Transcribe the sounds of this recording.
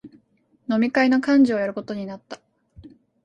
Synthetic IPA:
no̞mʲikaino̞kãɲ̟d͡ʑiojaɾɯ̟ko̞t̪o̞ɲ̟inat̪ːḁ

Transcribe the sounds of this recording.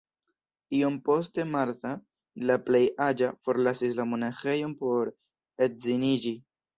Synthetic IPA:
io̞mpo̞ste̞maɾta | laple̞jad͡ʒafo̞ɾlasislamo̞naxe̞jo̞npo̞ɾ | et̚zinid͡ʒi

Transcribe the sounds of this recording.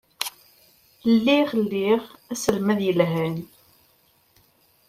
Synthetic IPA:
lːiʁəlːiʁæsəlmæðjəlɦæn

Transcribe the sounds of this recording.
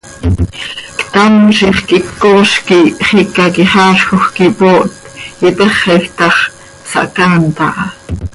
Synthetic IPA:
kt̪amʃiχkʔikːoːʃkiχikɑkiχɑːʃxoχkipoːʔt̪jit̪əχɛxt̪ɑχ | sɑ̰ʔkɑːnt̪ɑ̰ʔɑ

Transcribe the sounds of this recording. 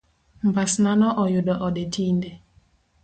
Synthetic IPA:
mbasnanɔʔɔjʊdɔʔɔdetʰinde

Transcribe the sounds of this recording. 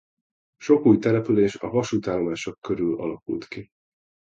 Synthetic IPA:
ʃo̞kuːjt̪ɛlɛpyleːʃɒvɒʃuːt̪aːlomaːʃo̞kːøɾylɒ̰lɒkṵlt̪ki

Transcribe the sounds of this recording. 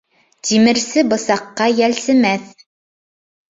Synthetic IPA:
t̪imɘ̆ɾsɘbɤ̆sɑqːɑjælsɘ̆mæθ

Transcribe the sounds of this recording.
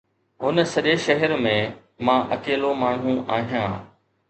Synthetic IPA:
ɦʊnə̆sɐʄeʃɐɦəɾmẽ | mãʔɐkeːlomaːɳ̤ũaːɦijãː

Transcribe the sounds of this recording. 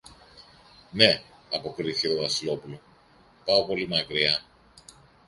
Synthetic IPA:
ne̞ | ɐpo̞kɾiθicet̪ovɐsilo̞pulo̞ | pɐo̞po̞limɐkɾiɐ

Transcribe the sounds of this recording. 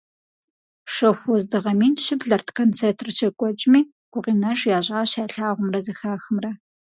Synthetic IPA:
ʂɐxʷɔzdɨʁɐmiːnʃɨbɮɐrtʰkʰɐnt͡sʰetʰrɨt͡ʃʰɐkʷʼɔt͡ʃʼmiː | ɡ̥ʷʊʁiːnɐʒjaːɕʼaːɕaːɬaːʁʷʊmrɐzɐxaːxɨmrɐ

